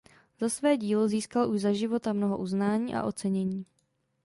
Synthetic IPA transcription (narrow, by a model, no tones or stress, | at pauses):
z̥asvɛːɟiːloziːskalʔuʒzaʒɪvo̞t̪amnoɦo̰ʔuznaːɲiːʔa̰ʔo̞t͡sɛɲɛɲiː